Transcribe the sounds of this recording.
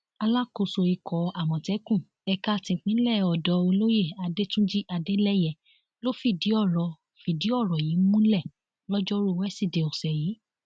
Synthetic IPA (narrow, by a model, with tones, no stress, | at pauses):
a˧la˦ko˨so˧i˧kʰɔ˨a˨mɔ̃˨tɛ˨˦kũ˦˨ | ɛ˧ka˦˧tĩ˧˨k͡pĩ˨˦lɛ˦˨ɔ˨dɔ˨˧o˧lo˦je˦˨a˧de˦tũ˦d͡ʒi˦ʔa˧de˦lɛ˦jɛ˨ | lo˦fi˦˨di˨˦ɔ˦˨ɾɔ˨fi˨di˨˦ɔ˦˨ɾɔ˨ji˨˦mũ˦lɛ˦˨ | lɔ˦d͡ʒɔ˦ɾu˦˨wɛ˦si˦˨de˨ɔ˨sɛ˨ji˨˦